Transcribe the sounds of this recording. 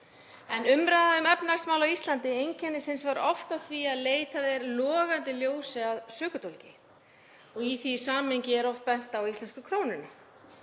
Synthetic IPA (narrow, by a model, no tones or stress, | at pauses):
ɛnʏmɾaðaʏmɛpnaɾ̥smawlawist̪lant̪ɪejɲcʰɛnːɪsɪnsvaɾʔɔft̪aðθviaðleːjt̪aðɛɾlɔːɣant̪ɪljoːwsɪaðsœːkʏt̪ʰolcɪ | ɔɣiθisaːmejɲcɪɛɾɔft̪̚pɛn̥t̪aawislɛnskʏkʰɾoːwnɪnʏ